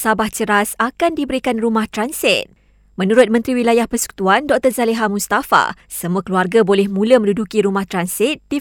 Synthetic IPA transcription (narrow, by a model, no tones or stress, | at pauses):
sabaht͡ʃəɾasakandibəɾikanrumaht̪ɾansɪt̪̚ | mə̃nuɾʊt̪̚mənt̪ɾiwilajahpərsə̥ku̥t̪uandɔk̚t̪ərzaleɦamust̪afa̰səmuəkəluarɡabolɛhmũləmə̃ndudukiɾumaht̪ɾansɪt̪̚d̥i